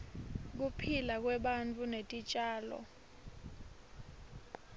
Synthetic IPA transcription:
k̬upʰilak̬wɛɓant͡fʰʼunetʼit͡ʃʼaːlɔ̰

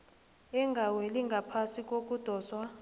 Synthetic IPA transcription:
ɛŋɡʱaweliŋɡʱapʰasik̬ʼok̬ʼud̥ʱɔːswa

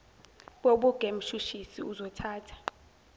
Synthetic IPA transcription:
ɓoɓuɡ̥ʱem̩ʃuʃisiuzɔtʰaːtʰḁ

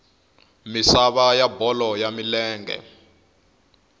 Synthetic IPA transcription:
misaβajabɔlɔjamilɛːŋɡɛ̰

